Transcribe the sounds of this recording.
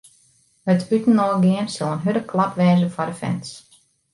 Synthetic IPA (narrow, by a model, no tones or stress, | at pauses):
hətytən̩ɔːɡɪənsɪlˠənɦødəkʰlapʋɛːzəfɔdəfɛ̰ns